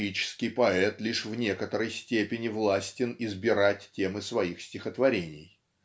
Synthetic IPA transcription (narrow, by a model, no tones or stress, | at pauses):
it͡ɕɪ̥skʲɪjpɐɛt̪lʲiʂvnʲe̞kət̪əɾəjsʲtʲepʲɪnʲɪvlˠasʲtʲɪnɪzbʲɪɾatʲtʲemɨsvɐixsʲtʲɪxət̪vɐɾʲenʲɪ̰j